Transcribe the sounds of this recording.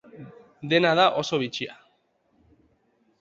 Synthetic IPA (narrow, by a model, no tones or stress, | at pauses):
d̪e̞nað̞aʔo̞so̞βit͡ʃia